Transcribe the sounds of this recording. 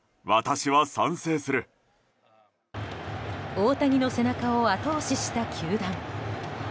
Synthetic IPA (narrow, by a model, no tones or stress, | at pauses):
βat̪aɕiβasãɰ̃se̞ːsɨɾɯ̟ | oːt̪aɡʲino̞se̞nakaoat̪o̞ːɕiɕi̥t̪akʲʰɨːd̪ãŋ